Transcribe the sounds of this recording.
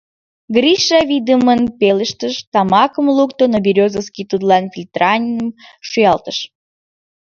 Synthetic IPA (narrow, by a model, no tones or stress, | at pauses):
ɡriʃɑvʲid̪əmənpeləʃt̪əʃt̪ɑmɑkəmlukt̪onobʲiɾʲozəskʲit̪ud̪lɑnfʲilʲt̪rɑnʲiəmʃujɑlt̪əʃ